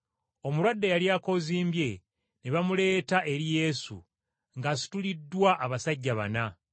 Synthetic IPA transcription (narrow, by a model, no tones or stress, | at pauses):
o̞muɾwadːejaliaːko̞ziːmbje̞ | neβamule̞ːtaʔe̞ɾije̞sṵ | ŋɡasi̥tulidːwaʔːβasaɟːaβa̰na